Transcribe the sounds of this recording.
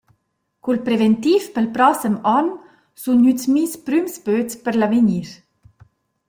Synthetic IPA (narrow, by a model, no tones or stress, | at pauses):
kulpɾevɛnt̪ifpəlpɾɔsəmɔn | sunysmispɾymspøtspəɾlaveɲiɾ